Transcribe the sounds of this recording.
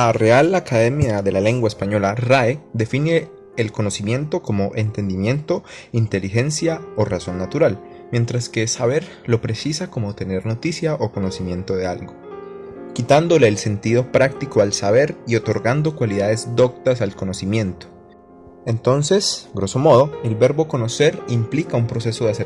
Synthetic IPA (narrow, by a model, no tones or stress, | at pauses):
are̞alakaðe̞mjaðe̞lale̞ŋɡwaespaɲo̞laraed̪e̞fine̞ː | lko̞no̞simjẽ̞nt̪o̞ko̞mo̞ʔent̪e̞nd̪imje̞nt̪o̞ | int̪e̞lixe̞nsjao̞raso̞nːat̪uɾal | mjẽ̞nt̪ɾaske̞saβe̞ɾ | lo̞pɾe̞sisako̞mo̞t̪e̞ne̞ɾno̞t̪isjaʔo̞ko̞no̞simjẽ̞nt̪o̞ðe̞alɡo̞ | kit̪and̪o̞le̞ːlse̞nt̪iðo̞pɾak̚t̪iko̞alsaβe̞ɾio̞t̪o̞ɾɡand̪o̞kwaliðaðe̞zd̪o̞k̚t̪asalko̞no̞simje̞nt̪o̥ | e̞nt̪o̞nse̞sɡɾo̞so̞mo̞ð̞o̞e̞lbe̞ɾbo̞ko̞no̞se̞ɾimplikaumpɾose̞so̞ðease